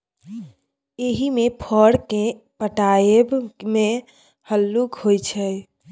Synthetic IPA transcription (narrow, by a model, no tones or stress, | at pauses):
eɦimepʰəɽke | pəʈajebme | həlːukɦojt͡ʃʰɛ